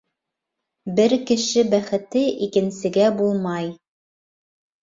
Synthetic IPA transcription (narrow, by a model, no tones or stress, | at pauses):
bɘɾkɘ̆ʃɘbæχɘ̆t̪ɘʔikɘ̆nsɘ̆ɡæbulˠmɑj